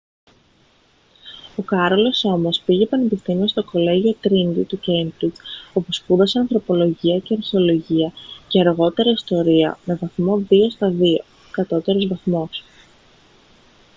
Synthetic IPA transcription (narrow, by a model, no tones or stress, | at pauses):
o̞kɐɾo̞lo̞so̞mo̞spiʝepɐnepist̪imiost̪o̞ko̞le̞ʝio̞t̪ɾind̪it̪ucent̪uo̞pospuðɐse̞ɐnθɾo̞po̞lo̞ʝiɐce̞ɐɾçeo̞lo̞ʝiɐce̞ɐɾɣo̞t̪e̞ɾɐist̪o̞ɾiɐme̞vɐθmo̞ðio̞st̪ɐðio̞ | kɐt̪o̞t̪e̞ɾo̞zvɐθmo̞s